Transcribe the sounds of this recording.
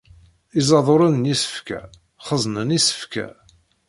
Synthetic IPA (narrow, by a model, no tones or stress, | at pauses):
izˤɑðˤoɾˤænnjisə̥fkæ̰ | χəzˤnənisə̥fkæ̰